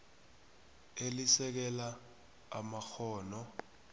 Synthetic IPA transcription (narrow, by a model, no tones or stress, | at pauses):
elisɛk̬ɛla | amaxɔːnɔ